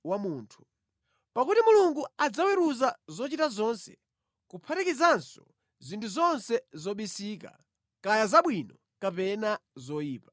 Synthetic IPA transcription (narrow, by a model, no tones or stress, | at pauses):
wamuːntʰu̥ | pakutimuluŋɡuad͡zawɛɾuzazɔt͡ʃitazɔnsɛ | kupʰatikizansɔ̰ | zintʰuzɔnsɛzɔɓisiːka̰ | kajazaɓwinɔ | kapɛnazɔjiːpa